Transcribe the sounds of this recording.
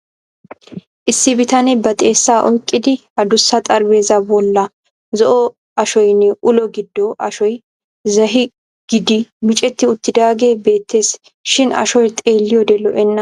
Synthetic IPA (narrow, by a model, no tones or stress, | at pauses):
ʔɪsːɪbɪt̪ɐnɛbɐt̪ʼe̞ːsːaːʔɔjkʼːɪd̪ɪ | ɐd̪ʊsːɐt̪ʼɐɾbe̞ːzɐbɔlːɐ | zɔʔɔ | ɐʃɔjnːɛʔʊlɔɡɪd̪ːɔʔɐʃɔj | zɐɦɪ | ɡ̥ɪd̪ɪmɪt͡ʃʼɛt̪ːɪʊt̪ːɪd̪aːɡe̞ːbe̞ːt̪ʰːe̞ːs | ʃɪnɐ̰ʃɔjt̪ʼe̞ːlːɪjɔd̪ɛlɔʔɛnːɐ